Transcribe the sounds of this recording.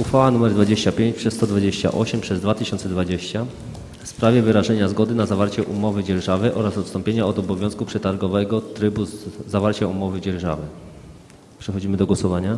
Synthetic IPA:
uxfawanumɛɾd̪vad͡ʑeɕt͡ɕapʲjeɲt͡ɕpʂɛst̪ɔd̪vad͡ʑeɕt͡ɕa̰ʔɔ̰ɕɛmpʂɛzd̪vat̪ɘɕɔ̃nt̪sɛd̪vad͡ʑeɕt͡ɕa | fspɾavʲjɛvɘɾaʐɛɲazɡɔd̪ɘnazavaɾt͡ɕɛʔumɔvɘd͡ʑɛɾʐavɛʔɔɾasɔt̪st̪ɔmpʲjeɲaɔd̪ɔbɔvʲjɔ̃skupʂɛt̪aɾɡɔvɛɡɔt̪ɾɘbuzavaɾt͡ɕaumɔvɘd͡ʑɛɾʐa̰vɘ | pʂɛxɔd͡ʑimɘd̪ɔɡwɔsɔvaɲa

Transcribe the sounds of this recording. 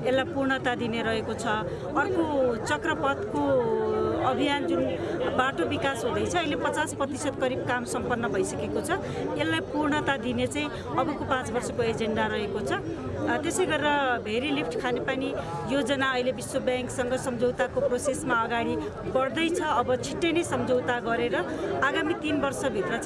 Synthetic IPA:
elːajpurɳʌt̪ad̪ineɾʌɦekot͡sʰʌ | ʌrkot͡sʌkrʌpʌt̪ko | ʌbʱijand͡zunbaʈobikasɦũd̪ʌjt͡sʰʌːɦilepʌt͡sasprʌt̪isʌt̪kʌɾib̚kamsʌmpʌnːʌbʱʌjsʌkekot͡sʰʌ | elːajpurɳʌt̪ad̪inet͡saĩ | ʌbʌkopãt͡sbʌrsʌkoed͡zeɳɖaɾʌɦekot͡sʰʌ | t̪esʌjɡʌɾiɾʌbʱeɾilipʰʈkʰanepani | jod͡zʌnaʌilebiswʌbjaŋksʌŋɡʌsʌmd͡zʱʌwt̪akoprosesmaʌɡaɽi | bʌɽd̪ʌjt͡sʰʌːbʌt͡sʰiʈːenesʌmd͡zʱowt̪aɡʌɾeɾʌaɡamit̪inbʌrsʌbʱit̪rʌ

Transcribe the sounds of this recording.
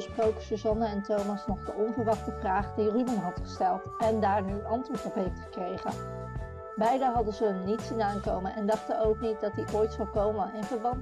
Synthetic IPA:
sprowkə̥sozɑnəɛntowmɑsnɔχdəʔɔnvəɹʋɑχtəvraːχdiridənɦɑtχə̥stɛlˠtɛndaːɹniɑntʋʊɹtɔpɦejftχə̥krejχə̰n | bɛjdənɦɑdəzəənnitsinaːŋkowmənʔɛndɑχtənowknit̚dɑtdiʔoːjtsɑlˠkowmənɪnvəɹbɑn

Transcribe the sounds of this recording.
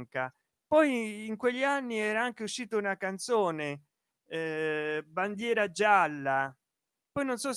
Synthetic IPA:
ŋka | pɔjːŋkweʎːianːiɛːɾaaŋk̟euʃːiːt̪aunakant̪soːne | band̪jɛːɾad͡ʒalːa | pɔjnonsɔs

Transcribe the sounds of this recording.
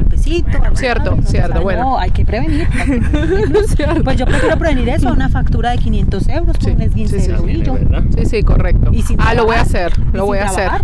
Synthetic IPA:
olpesit̪osjeɾt̪osjeɾt̪oβwenoajkepɾe̞βeniɾ | seɾpwezd͡ʒo̞pɾofiɾopɾe̞βeniɾe̞sounafakt̪uɾaðe̞kinjẽ̞nt̪o̞se̞wɾoskounezβjenee | iʝosisiko̰rek̚t̪oisialoβojaseɾloβojaβseɾa

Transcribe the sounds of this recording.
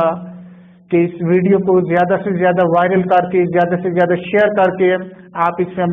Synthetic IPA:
a | kiɪsʋiːɖijokozjaːd̪asezjaːd̪aʋaːɪɾəlkɐɾkezjaːd̪asezjaːd̪aʃeːəɾkɐɾke | aːpɪsmem

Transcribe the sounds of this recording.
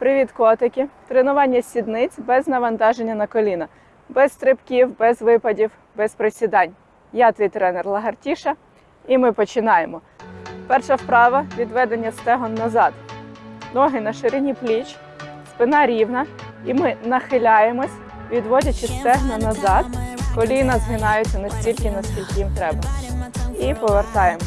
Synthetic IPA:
pɾɪʋʲit̪kɔt̪ekʲit̪ɾenʊʋɑnʲːɐsʲid̪nɪt͡sʲbɛznɐʋɐnt̪ɑʒenʲːɐnɐkɔlʲinɐ | bɛst̪ɾɪpkʲiwbɛzʋɪpɐdʲiw | bɛspɾesʲid̪ɑnʲ | jɑt̪ʋʲijt̪ɾɛnɛrlˠɐɦɐrtʲiʃɐ | imɪpɔt͡ʃɪnɑjemɔpɛrʃɐwpɾɑʋɐʋʲid̪ʋɛd̪enʲːɐst̪ɛɦɔnːɐzɑd̪ | nɔɦɪnɐʃɪɾɪnʲiplʲit͡ʃ | spɪnɑɾʲiwnɐ | imɪnɐxɪlʲɑjemɔsʲ | ʋʲid̪ʋɔdʲɐt͡ʃɪst̪ɛɦnɔnɐzɑd̪kɔlʲinɐzɦɪnɑjʊt͡sʲːɐnɛsʲtʲilʲkɪnɐskʲilʲkɪjimt̪ɾɛbɐ | ipɔʋert̪ɑjemɔ

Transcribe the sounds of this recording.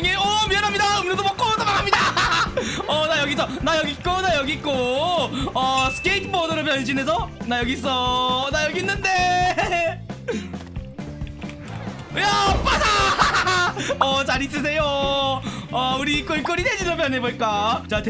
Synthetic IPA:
ŋeʌmiʌɾɦamɲidaɯmnedomʌk͈odʰomaɾamɲida | ʌnajʌɡis̬ʰʌnajʌɡik͈onajʌɡik͈o | ʌsɯ̥k͈eitʰbʌdɯɾɯp̬jʌned͡ʑinesʰʌnajʌɡis̬͈ʌnajʌɡinːɯnde | japada | ʌt͡ɕaɾis̬͈ɯs̬ʰe̞jo | auɾik͈ɯik͈ɯɾided͡ʑinʌpjʌneboɭk͈at͡ɕat

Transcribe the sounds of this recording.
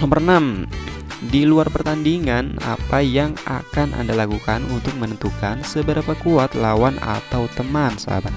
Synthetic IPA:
nɔmbərnam | diluarpərt̪andiŋana̰pajaŋa̰kanʔa̰ndalakukanunt̪ʊk̚mənənt̪ukansəbəɾapakuat̪lawana̰t̪awt̪əmansa̰ba

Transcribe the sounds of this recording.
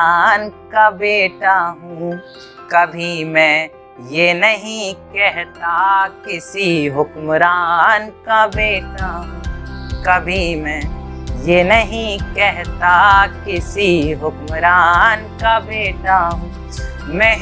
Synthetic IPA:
nkabeːʈaɦũ | kɐbʱimɛ̃ | jenɐɦĩkɛɦt̪akɪsiɦʊkmɾaːnkabeːʈaɦũːkɐbʱimɛ̃jenɐɦĩkɛɦt̪akɪsiɦʊkmɾaːnkabeːʈaɦũː | mɛ̃

